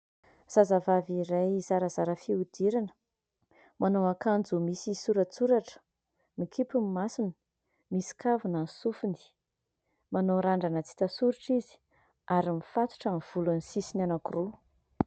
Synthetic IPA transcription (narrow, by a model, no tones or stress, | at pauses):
z̥azavaviɾajzaɾəzaɾəfiud̪̥iɾanə̥ | manowakand͡zumisisuɾət͡suɾaʈ͡ʂə̥ | mikʰipummasinə̥ | misi̥kavunansufund̪i̥ | manoɾaɳɖ͡ʐanət͡si̥t̪asuɾiʈ͡ʂizi̥ | aɾimifat̪u̥ʈ͡ʂəmv̥ulunisisinanakuru